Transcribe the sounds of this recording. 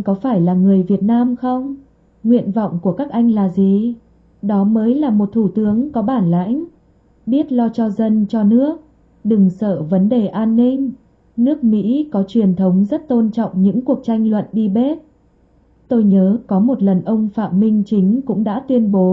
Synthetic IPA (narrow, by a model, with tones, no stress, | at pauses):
kɔ˨˦faː˧˩jlaː˨˩ŋɨ˨˩əjvi˨˩ət̚naː˧mxə˧wŋ͡m | ŋwḭ˧˨ənvɔ̰˧˨wŋ͡mku˧˩əkaː˦˥k̚ʔa˧jŋ̟laː˨˩zi˨˩ | ɗɔ˨˦məː˨˦jlaː˨˩mo˨˩t̚t̪ʰu˧˩t̪ɨ˨˦əŋkɔ˨˦ɓaː˧˩nla̰ː˧˥jŋ | ɓi˦˥ət̚lɔ˧t͡ɕɔ˧zə˧nt͡ɕɔ˧nɨ˦˥ək̚ | ɗɨ˨˩ŋsəː˧˩və˨˦nɗe˨˩ʔaː˧nːï˧ŋ | nɨ˦˥ək̚mḭ˧˥kɔ˨˦t͡ɕwi˨˩ənt̪ʰə˨˦wŋ͡mzə˦˥t̚t̪o˧nt͡ɕɔ̰˧˨wŋ͡mɲɨ̰˧˥ŋku˨˩ək̚t͡ɕa˧jŋ̟lwə̰˧˨nɗi˧ɓe˦˥t̚ | t̪o˧jɲəː˨˦kɔ˨˦mo˨˩t̚lə˨˩nʔə˧wŋ͡mfa̰ː˧˨mmï˧ŋ̟t͡ɕï˨˦ŋ̟kʊ̰˧˥ŋ͡mɗa̰ː˧˥t̪wi˧ənɓo˨˦